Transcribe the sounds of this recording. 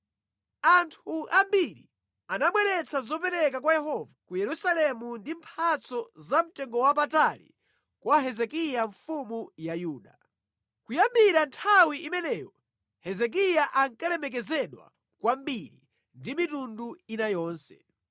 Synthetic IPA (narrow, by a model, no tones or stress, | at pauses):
antʰuʔambiɾḭ | anaɓwɛɾɛt͡sʰazɔp̬ɛɾɛkakwajɛɦɔvakujɛɾusalɛmundimpʰat͡sɔzam̩tɛŋɡɔwap̬atalḭ | kwaɦɛzɛkijaɱfumujajuːɗa | kujambiɾantʰawiimɛnɛːjɔ | hɛzɛk̬ijaʔaŋkalɛmɛk̬ɛzɛɗwa̰ | kwambiɾi | ndimitunduinajɔːnsɛ̰